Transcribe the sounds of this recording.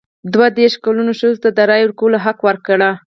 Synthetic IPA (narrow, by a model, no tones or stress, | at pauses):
d̪wad̪eɾʃkalunoʃəzot̪ad̪əɾɑjoɾkolaɦakwəɾkɽa